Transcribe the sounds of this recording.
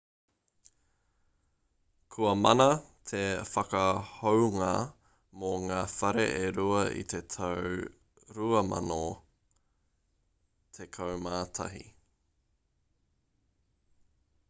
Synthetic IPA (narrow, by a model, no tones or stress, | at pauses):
kʰuɐmɐnɐt̪ʰefɐkɐhowŋa | moŋaːfɐɾḛʔeɾuɐʔḭt̪ʰe̞t̪ʰɐww | ɾuɐmɐ̰no | t̪ʰekʰɐwmaːt̪ʰɐ̰ɦḭ